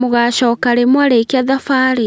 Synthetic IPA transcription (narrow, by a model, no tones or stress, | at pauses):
muɣaʃɔkaɾemwaɾekiaðafaːɾi